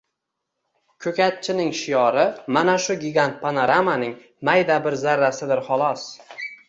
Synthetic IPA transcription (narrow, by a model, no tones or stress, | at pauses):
kʲʰɵkʲat̪̚t͡ʃʰɪnɪŋʃɪjɒɾɪmanaʃʊɡʲɪɡʲant̪̚pʰanoɾamanɪŋ | majd̪abɪɾzaɾːasɪd̪ɪɾχɒlˠɒs